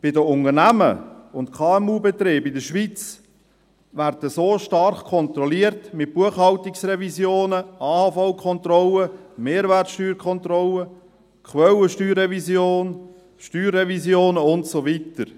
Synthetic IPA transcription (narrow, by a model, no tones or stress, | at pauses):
b̥ɪdəʊŋərnæmə̰ʊntkʰɑːɛmuːbɛt̪ɾeːbɪdəʃʋit͡s | værd̥əsoːʃtɑrχkʰɔnt̪ɾɔliəɾtmɪt̚b̥uəχhɑltɪksrɛvizjoːnəɑːhɑfaʊkʰɔnt̪ɾɔləmeːɾværtsʃtyːɾkʰχɔnt̪ɾɔlə | kχwœwəʃtyːrɛvisjoːn | ʃtyːrːɛvisjoːnəʊntsovitəɾ